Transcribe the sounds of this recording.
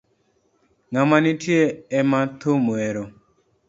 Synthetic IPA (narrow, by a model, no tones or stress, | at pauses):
ŋamanĩtʰiɛɛmãt̪ʰomoɛɾɔ